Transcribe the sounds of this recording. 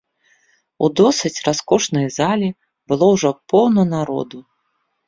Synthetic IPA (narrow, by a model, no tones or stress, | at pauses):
ud̪ɔsɨt͡sʲraskɔʂnɐjzalʲi | bɨlˠɔwʐɔpɔwnɐnaɾɔ̰d̪u